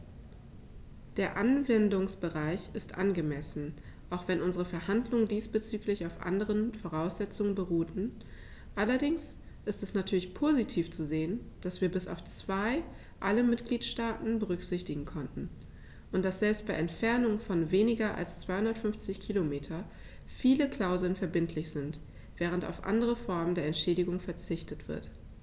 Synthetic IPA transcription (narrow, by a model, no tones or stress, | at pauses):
d̥eːɐʔanvɛndʊŋsb̥əʁaɪçɪstʔa̰nɡəmɛsn̩ | ʔaʊxv̥ɛnʔʊnzəʁəfɛɐhandlʊŋəndiːsb̥ət͡syːklɪçaʊfʔa̰ndəʁənfoʁ̞aʊsz̥ɛt͡sʊŋənbəʁuːtn̩ | ʔalɐdɪŋs | ʔɪstɛsnatʰyːɐlɪçpʰoːzitʰiːft͡suzeːənd̥asv̥iːɐbɪsa̰ʊft͡sv̥aɪ | ʔaləmɪtɡ̥liːtʃtaːtn̩bəʁʏkz̥ɪçtɪɡŋ̩kʰɔntn̩ | ʔʊntd̥asz̥ɛlpst̚b̥aɪʔɛntfɛɐnʊŋfɔnveːnɪɡɐʔa̰lst͡sv̥aɪhʊndɐtfʏɱft͡sɪçkʰiːlomeːtʰɐ | fiːləkl̥aʊzl̩nfɛɐbɪntʰlɪçz̥ɪnt | v̥ɛːʁ̞ənta̰ʊfʔa̰ndəʁ̞əfɔɐməndeːɐɛntʃɛːdɪɡʊŋfɛɐt͡sɪçtətv̥ɪ̰ɐt